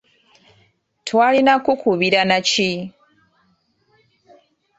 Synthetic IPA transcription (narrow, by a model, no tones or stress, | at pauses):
tʰwalinakukʰuβiɾanat͡ʃi